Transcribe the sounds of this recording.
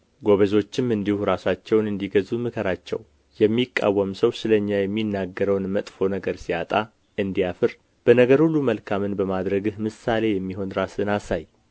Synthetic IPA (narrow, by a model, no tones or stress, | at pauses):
ɡo̞βəzo̞t͡ʃːɪmɨnd̪ihuɾasat͡ʃːɛwnɨnd̪iɡəzumɨkʰəɾat͡ʃːɛ̰w | jɛmːikʼːa̰wːəmsəwsɨləɲːajɛmːinːaɡːəɾəwnmət̪ʼfo̞nəɡəɾsiat̪ʼa | ɨnd̪ijafɨɾ | b̥ənəɡəɾhulːuməlkʰamɨnbəmad̪ɾəɡɨhmɨsale̞jɛmːiɦo̞nɾasɨnasaj